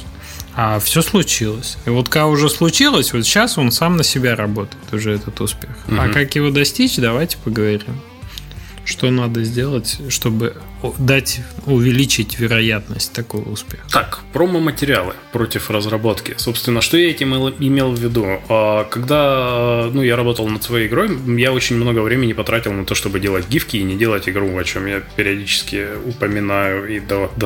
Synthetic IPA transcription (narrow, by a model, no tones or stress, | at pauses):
afsʲoslˠʊt͡ɕilˠəsʲivo̞t̪kakʊʐɛslˠʊt͡ɕilˠəsʲvo̞t̪ɕːaso̞nsamnəsʲɪbʲaɾɐbo̞t̪əjɪt̪ʊʐɛɛt̪ət̪ʊspʲe̞xakakjɪvo̞d̪ɐsʲtʲit͡ɕd̪ɐvajtʲɪ̥pəɡəvɐɾʲim | ʂt̪o̞nad̪əzʲdʲe̞lˠətʲʂt̪o̞bɨ | d̪atʲʊvʲɪlʲit͡ɕɪtʲvʲɪɾɐjat̪nəsʲtʲt̪ːɐko̞̰jʊ̰spʲe̞xt̪akpɾomɨmətʲɪɾʲɪalˠɨ̰pɾo̞tʲɪfrəzɾɐbo̞t̪kʲɪso̞pst̪vʲɪnːəʂt̪o̞jaɛtʲɪmɛlˠɪmʲe̞lˠvʲɪd̪uakɐɡd̪anujaɾɐbo̞t̪əlˠnət̪svɐjejɪɡɾo̞jjaot͡ɕɪnʲmno̞ɡəvɾʲemʲɪnʲɪpɐt̪ɾatʲɪlˠnɐt̪o̞ʂt̪o̞bɨdʲe̞lˠətʲɡʲifkʲɪːnʲɪdʲe̞lˠətʲɪɡɾuvɐt͡ɕo̞mjapʲɪɾʲɪɐdʲit͡ɕɪ̥skʲɪ | ʊpəmʲɪnajʊid̪ɐd̪